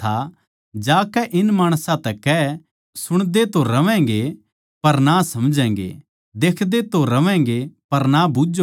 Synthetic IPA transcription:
a | d͡ʒaːkɛʔɪnmaːɽ̃sãt̪ɛkɛ | sʊɽ̃d̪et̪oɾɐʋɛ̃ːŋɡe | pɐɾnasɐmd͡ʒɛ̃ːŋɡḛ | d̪eːkʰd̪et̪oɾɐʋɛ̃ːŋɡepɐɾnabud͡ʒo

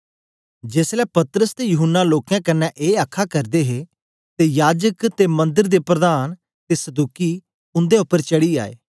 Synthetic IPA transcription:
d͡ʒeːslɛːpɐt̪ɾəst̪ejʊɦʊnːaloːkãːkənːɛ̃ʔeːəkʰːakɐɾd̪eɦe | t̪ejaːd͡ʒəkt̪emɐ̃nd̪ɪɾd̪epɾəd̪aːn | t̪eːsəd̪uːki | ʊ̃nd̪eʊpːəɾt͡ʃəɽia̰ːḛː

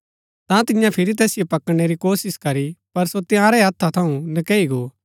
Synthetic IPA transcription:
t̪ãt̪ɪjãpʰɪɾit̪̬ɛːsɪjopɐkəɽ̃eɾikoːsɪskɐɾipɐɾsot̪ɪjãːɾɛɦɐt̪ʰːat̪ʰɐũnɐkɛːiɡoː

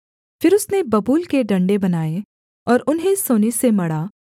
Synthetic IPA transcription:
fɪɾʊsnebɐbuːlkeɖɐ̃ɳɖebɐnaːe | ɔːɾʊnɦẽsoːnisemɐɽaː

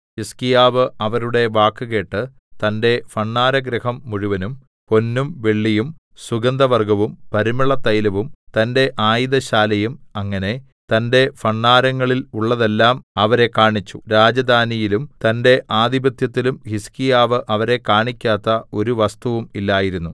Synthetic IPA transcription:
hiskijaːʋɨɐʋɐɾuɽe̞ʋaːkːɨke̞ːʈːɨ | t̪ɐnde̞fɐɳːaːɾɐɡɾɐhɐmːuɻuʋɐnum | ko̞nːumʋeɭːijum | suɡɐnd̪ɐʋɐrɡɐʋumpɐɾimiɭɐt̪ːɐjlɐʋumt̪ɐnde̞ʔaːjðɐɕaːlɐjumɐŋːɐne̞ | t̪ɐnde̞fɐɳːaːɾɐŋːɐɭiluɭːɐðe̞lːaːmɐʋɐɾe̞kaːɳit͡ɕːu̥ɾaːd͡ʑɐd̪ʱaːnijilumt̪ɐnde̞ʔaːd̪ibɐt̪jɐt̪ːilumhiskijaːʋɨʔɐʋɐɾe̞kaːɳikʲːaːt̪ːɐo̞ɾuʋɐst̪uʋumilːaːjiɾunːu

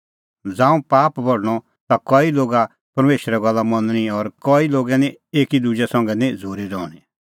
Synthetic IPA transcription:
d͡zãːũpaːpbʱɔɽɽ̃ɔ | t̪akɔːiloːɡa | pɐɾmeːʃɾɛɡɐlːamɐnñiɔɾkɔːiloːɡɛnĩeːkid̪ud͡ʒɛsɐ̃ŋɡɛnĩd͡zʱoːɾiɾɔːɽ̃i

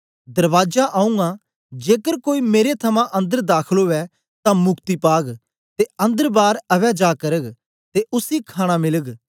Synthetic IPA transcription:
d̪ɐɾʋaːd͡ʒaʔaːũŋɡãː | d͡ʒeːkəɾkoːiːmeːɾet̪ʰɐmãʔɐ̃nd̪əɾd̪aːkʰəloːɛ | t̪ãmʊkt̪iːpaːɡ | t̪eɐ̃nd̪əɾbaːɾɐʋɛːd͡ʒaːkəɾəɡ | t̪eʔʊsikʰaːɽ̃ãːmɪləɡ

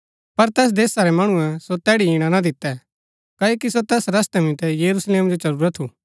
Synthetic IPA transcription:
pɐɾt̪ɛːs̬d̪eːsaɾɛmɐɽ̃ũɛ̃sot̪ɛːɽiiɽ̃anad̪ɪt̪ːɛ | kɐːoːkisot̪ɛːsɾɐst̪ɛmĩt̪ɛjɐɾusleːmd͡ʒot͡ʃɐɾuːɾat̪ʰːuː

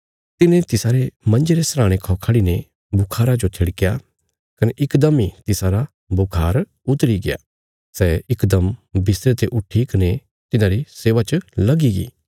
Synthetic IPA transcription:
t̪ɪnẽt̪ɪsaːɾemɐ̃nd͡ʒeɾesɾãːɽ̃ekʰɔːkʰaːɽine | bʱʊkʰaːɾad͡ʒot̪ʰɪɽkja | kɐneʔɪkd̪ɐmit̪ɪsaːɾa | bʱʊkʰaːɾ | ʊt̪ɾiɡɪja̰ː | sɛɪkd̪ɐmbɪsɾet̪eʔʊʈʰːikɐne | t̪ɪnãːɾiseːʋat͡ʃlɐɡiɡḭː

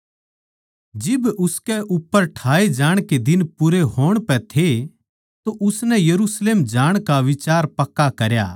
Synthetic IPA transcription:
d͡ʒɪbʊskɛʔʊpːəɾʈʰaːed͡ʒaːɽ̃ked̪ɪnpʊɾeɦoːɽ̃pɛt̪ʰe | t̪oʔʊsnɛjɐɾusleːmd͡ʒaːɽ̃kaʋɪt͡ʃaːɾpɐkːakɐɾja̰ː

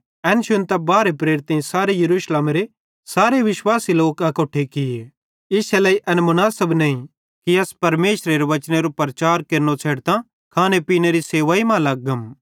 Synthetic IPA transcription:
ɛːnʃʊnt̪ɐbaːɾepɾeːɾɪt̪ɐ̃saːɾejɐɾuːʃleːmɾe | saːɾeʋɪʃwaːsiloːkɐkoːʈʰːekɪje | ɪsɛlɐiʔɐnmʊnaːsəbneĩ | kiɐspɐɾmeːʃɾeɾeʋɐt͡ʃñeɾopɾɐt͡ʃaːɾkeːɾnot͡sʰeːɽt̪ã | kʰaːnepiːneɾiseːʋaːimãlɐɡɐm

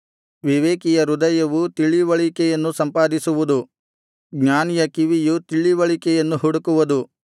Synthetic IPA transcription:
ʋiʋeːkijɐɾud̪ɐjɐʋut̪iɭiʋɐɭikɛjɐnːusɐmpaːd̪isuʋud̪u | ɡɲaːnijɐkiʋijut̪iɭːiʋɐɭikɛjɐnːuɦuɽukuʋɐd̪u

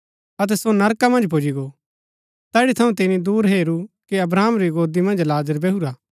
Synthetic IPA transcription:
ɐt̪̬ɛsonɐɾkamɐ̃nd͡ʒpoːd͡ʒiɡo | t̪ɛːɽit̪ʰɐũt̪ɪnid̪uːɾɦeːɾukiɐbɾaːmɾiɡoːd̪imɐ̃nd͡ʒlaːzəɾbɛɦuɾaː

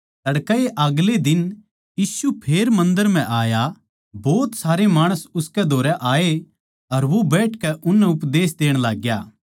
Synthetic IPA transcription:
ɐɽkaeʔɐɡled̪ɪn | jiːsupʰeːɾmɐ̃nd̪əɾm̤ɛ̃ʔaːja | bɔːt̪saːɾemaːɽ̃əsʊskɛd̪ʱoːɾɛʔaːe | ɐɾʋobɛːʈʰkɛʔʊnːɛʊpd̪eːs̬d̪eːɽ̃laːɡjaː

